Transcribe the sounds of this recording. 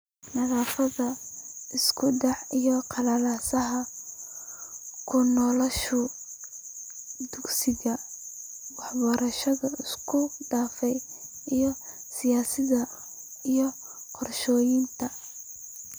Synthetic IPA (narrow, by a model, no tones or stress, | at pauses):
nɐðaːfɐðɐɪskʰʊɖɛħijɔqʰɑlɐlaːsɐɦɐ | kʰʊnɔːlɐʃʊ | d̪ʊɡsɪɣɐ | wɑħbɔɾɐʃɐðɐɪskʰʊɖaːfɛj | ijɔ | sɪjaːsɪðɐ | ijɞ | qɔrʃɔːjɪnt̪ʰɐ